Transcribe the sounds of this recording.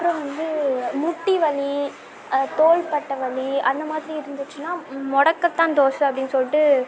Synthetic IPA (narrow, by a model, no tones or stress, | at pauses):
ɐpːɯɾõʋɐnd̪ɯmʊʈːiʋɐɭi | t̪oːɭpɐʈːɐʋɐɭiɐnd̪ɐmaːðɪɾiɪɾɯnd̪ɯt͡ʃːɯnaːmɔɽɐkːɐt̪ːãːnt̪oːsɯɐpːɐɽɪnːɯsɔlɪʈːɯ